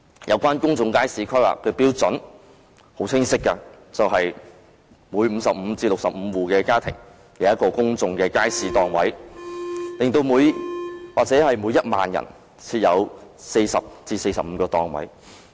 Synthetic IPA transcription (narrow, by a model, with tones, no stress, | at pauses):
jʔɐ˨˧wkʷaː˥nkʊ˥ŋt͡sʊ˨˧ŋkaː˥jsiː˨˧kʰœ˥a̰ː˨kʰɵ˧piː˥wt͡sɵ˨˥n | ho˨˥wt͡sʰɪ˥ŋsɪ˥kːa˧ | t͡sɐ˨wɦɐ˨j | muː˨˧jm̩˨˧˥sɐ˨p̚m̩ː˨˧t͡siː˧lʊ˨k̚sɐ˨p̚m̩ː˨˧wuː˨˩kɛː˧kaː˥t̪ʰɪ̰˨˩ŋ | jɐ˨˥jɐ˥kɔː˧kʊ˥ŋt͡sʊ˨˧ŋkɛː˧kaː˥jsiː˨˥t̪ɔː˨˩ŋwɐ̰˨˥j | lɪ˨ŋt̪o˧wmuː˨˧jwaː˨k̚t͡sɛː˨˥hɐ˨jmu˨˧jɐ˥t̚ma̰ː˨njɐ̰˨˩n | t͡sʰiː˧t̚jɐ˨˧wse˧jsɐ˨p̚t͡siː˧se˧jsɐ˨p̚m̩˨˧kɔː˧t̪ɔː˨˩ŋwɐ̰˨˥j